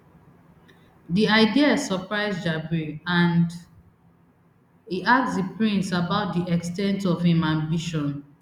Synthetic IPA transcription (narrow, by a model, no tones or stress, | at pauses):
diaɪdiasɔpɹaɪsd͡ʒabɹiãnd | hiʔak̚sdipɹĩntsabaʊt̚diʔɛkstɛ̃ntɔvhĩmãmbiʃɔ̃n